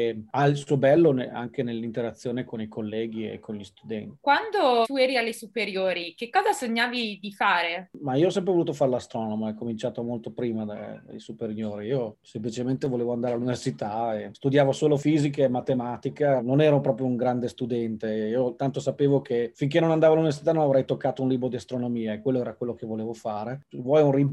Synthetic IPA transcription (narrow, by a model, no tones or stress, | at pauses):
ealsuobɛlːonea̰ŋk̟enelːint̪eɾat̪sːjoːnekonikʰolːɛːɡ̟iḛkʰːonʎist̪ud̪ɛ̰nt̪i̥kwand̪ot̪uɛɾialːesupeɾjoːɾikekːɔːzasoɲːaːvid̪ifaːɾemaiːoɔs̬ɛmp̬ɾevoluːt̪ofaɾelast̪ɾɔːnomoajkomint͡ʃaːt̪omolt̪opɾiːmad̪ḛd̪ḛjsupeɾjoːɾiiːosemplit͡ʃement̪evoleːvoand̪aɾealːuniversit̪aest̪ud̪jaːvosoːlofiːzik̬eːmat̪emaːt̪ikenonɛːɾopɾɔːp̬ɾjouŋɡɾand̪est̪ud̪ɛnt̪eiːot̪ant̪osapeːvok̟ʰefiŋk̬enːonand̪aːvoalːuniversi̥t̪anonavɾɛjt̪okːaːt̪ounliːbɾod̪iast̪ɾonomiːaekːwelːoɛːɾakwelːok̟evoleːvofaːɾevwɔjunri